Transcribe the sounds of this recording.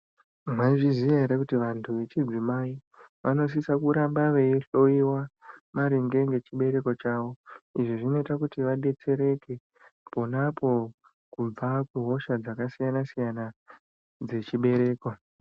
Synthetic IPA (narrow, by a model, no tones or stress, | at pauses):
mwaʐiziʋaɦeɾekutiʋantʰuʋe̞t͡ʃid͡zimai | ʋʔano̞s̬isakuɾambaʋe̞jeɬo̞iwamaɾiŋɡe̞ŋɡe̞t͡ʃiɓe̞ɾe̞ko̞t͡ʃaʋo̞iʐiʐino̞itakutiʋaɗe̞t͡se̞ɾe̞ke̞ | po̞napʰo̞ | kub͡vakuɦo̞ʃad͡zakasijanasijana | d͡ze̞t͡ʃiɓe̞ɾe̞ːko̞